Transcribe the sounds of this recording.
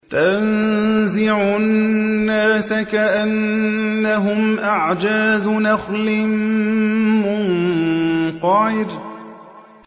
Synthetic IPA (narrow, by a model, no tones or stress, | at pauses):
tanzɪʕunːaːsakaʔanː | aɦʊmʔaʕd͡ʒaːznaxlɪm | mʊn | qɑːɪɾ